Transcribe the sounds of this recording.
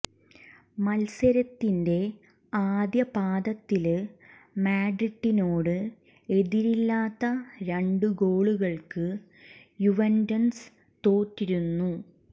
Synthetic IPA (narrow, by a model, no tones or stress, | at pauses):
mɐlsɐɾɐt̪ːinde̞ | aːd̪jɐpaːd̪ɐt̪ːil | maːɖriʈːino̞ːɽɨ | e̞ðiɾilːaːt̪ːɐɾeɳɖuɡo̞ːɭuɣɐɭkɨ | juʋɐndɐns | t̪o̞ːtːiɾunːu